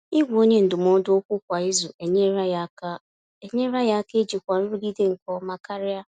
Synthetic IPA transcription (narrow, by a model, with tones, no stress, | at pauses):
i˦ɡʷo˦ɲe˦n̩˨dʊ˨m˨ɔ˦dʊ˦o˦kʷʊ˦kʷa˨i˦zu˨e˨˦˨ | e˦ɲe˦ɾa˦ja˦a˦ke˦d͡ʒi˨kʷa˨n̩˦ɾu˦ɡi˦de˦ŋ̩˨kɔ˦ma˦ka˦ɾɪ˦a˦